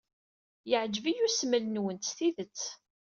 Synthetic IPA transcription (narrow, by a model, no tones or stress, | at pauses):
jəʕd͡ʒvijusmələnwənt̪θiðət͡sː